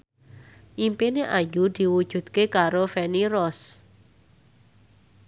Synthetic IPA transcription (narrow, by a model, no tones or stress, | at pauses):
ʔimpeneʔajud̪̥i̤wud̥ʒ̥ṳd̪̥̚kekaɾofɛniɾɔs